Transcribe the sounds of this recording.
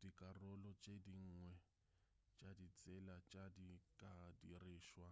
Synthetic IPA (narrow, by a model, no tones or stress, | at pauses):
d̥ikʼarɔlɔt͡ʃʼediŋ̩ːŋwɛ | t͡ʃʼadit͡sʼɛlat͡ʃʼadikʼadiriːʃwa